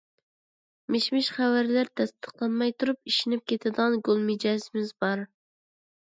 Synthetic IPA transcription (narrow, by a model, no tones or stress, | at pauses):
meʃmɪʃχæwæɾlæɾt̪ʰɛst̪ə̥qlˠɑnmɑjt̪ʰuɾup̚iʃinɪp̚kʲʰet̪ʰɪd̪ʁɑnɡolˠmɪd͡ʒɛzɪmɪzbɑɾ